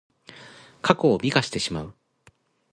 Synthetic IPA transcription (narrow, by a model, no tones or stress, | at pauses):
kʰako̞ːbʲikaɕi̥t̪e̞ɕima̰ɯ̟